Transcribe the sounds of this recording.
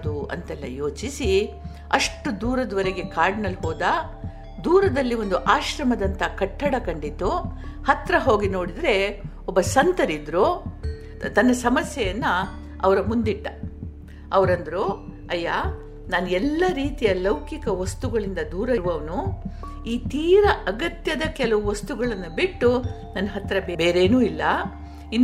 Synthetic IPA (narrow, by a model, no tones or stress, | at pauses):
d̪uɐ̰nt̪ɛlːɐ̰jo̞ːt͡ʃisi | ɐʂʈːud̪uːɾɐd̪ʋɐɾeɡe̞kaːɾɖnɐlɦoːd̪ɐ | d̪uːɾɐd̪ɐlːiʋo̞nd̪uʔaːʃɾɐmɐd̪ɐnt̪ɐkɐʈːɐɽɐkɐɳɖit̪ːuhɐt̪ɾɐɦo̞ːɡino̞ːɽid̪ɾe̞ | ɔbːɐsɐnt̪ɐɾid̪ɾo | t̪ɐnːɐsɐmɐsjɛjɐnːɐ | ɐʋɐɾɐmund̪iʈːɐ | ɐʋɐɾɐnd̪ɐɾu | ɐjːa | naːnuɛlːɐɾiːt̪ijɐlɐwkikɐʋɐst̪uɡɐɭind̪ɐd̪uːɾɐɾʋɐʋɐnu | iːt̪iːɾɐʔɐɡɐt̪jɐd̪ɐkɛlɐʋuʋɐst̪uɡɐɭɐnːubiʈːu | nɐnːɐɦɐt̪ɾɐbebe̞ːɾe̞ːnuːilːɐ | inː